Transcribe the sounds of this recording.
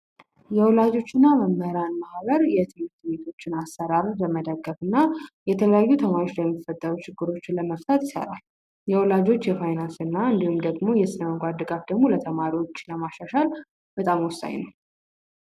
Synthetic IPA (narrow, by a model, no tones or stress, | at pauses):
jɛwɔlad͡ʒo̞t͡ʃːɪnːaməmːəɾanmahβəɾjɛt̪ʰɨmɾt̪be̞t̪ʰo̞t͡ʃːɪnasːəɾaɾbəməd̪əɡːəfɨnːajɛt̪ʰələjajːut̪ʰəmaɾo̞t͡ʃləmːifət̪ʼːəɾut͡ʃʰɪɡːɨɾo̞t͡ʃːləməft̪ʰət̪jɪsə̰ɾa̰l | jɛwɔlad͡ʒo̞t͡ʃːjɛfajnansɨnːaɨnd̪ihumd̪əɡmo̞jɛsɨnəməɡʷad̪̚d̪ɨɡafd̪əɡmo̞lət̪ʰəmaɾiwo̞t͡ʃːləmaʃaʃal | b̥ət̪ʼamwɔsa̰ɲnəw